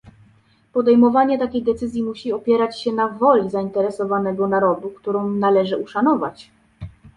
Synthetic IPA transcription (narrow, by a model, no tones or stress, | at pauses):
pɔd̪ɛjmɔvaɲɛt̪akʲejd̪ɛt̪sɘzʲjimuɕiɔpʲjɛɾat͡ɕɕɛnavɔlʲizaint̪ɛɾɛsɔvanɛɡɔnaɾɔd̪ukt̪uɾɔ̃w̃nalɛʐɘʔuʂanɔva̰t͡ɕ